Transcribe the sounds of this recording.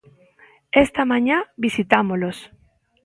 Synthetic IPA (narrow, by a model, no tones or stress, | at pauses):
est̪amãɲãbisit̪amolos